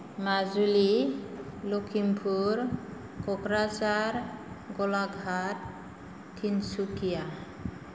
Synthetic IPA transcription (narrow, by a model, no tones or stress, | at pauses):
mazuli | lokʰimpʰuɾ | kɔkɾasaɾ | ɡɔlaɡʱatʰː | insukija